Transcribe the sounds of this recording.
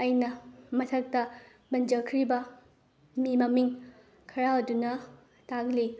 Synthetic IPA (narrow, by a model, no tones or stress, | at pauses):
ɐjnɐmɐtʰɐk̚tɐ | bɐnd͡ʒɐkʰɾibɐ | mimɐmiŋ | kʰɐɾaɐdunɐ | taɡli